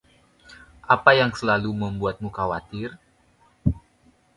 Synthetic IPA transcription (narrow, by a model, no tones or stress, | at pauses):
ʔapajaŋsəlaluməmbuat̪̚mukawat̪ɪr